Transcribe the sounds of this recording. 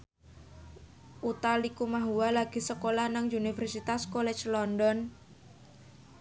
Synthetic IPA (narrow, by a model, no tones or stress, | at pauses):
ʔut̪alikumaɦuwalaɡ̥isəkolahnaŋunifərsit̪askolɛ̥t͡ʃlɔndɔn